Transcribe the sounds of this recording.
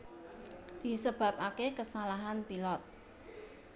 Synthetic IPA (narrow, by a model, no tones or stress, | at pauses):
d̪̥i̤səb̥ä̤p̚akekəsalaɦanpilɔt̪̚